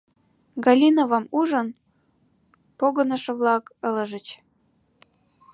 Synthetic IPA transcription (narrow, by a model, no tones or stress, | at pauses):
ɡɑlʲinovɑmuʒən | poɣənəʃəβlɑkələʒət͡ɕ